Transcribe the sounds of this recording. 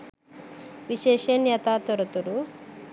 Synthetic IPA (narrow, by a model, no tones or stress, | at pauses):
ʋiʃeːʃenjɐt̪aːt̪ɔɾɐt̪uɾu